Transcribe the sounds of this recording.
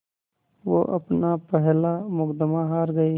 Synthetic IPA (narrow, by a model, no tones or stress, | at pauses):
ʋo̰ːʔɐ̰pnapɛɦlamʊkd̪əmaɦaːɾɡɐi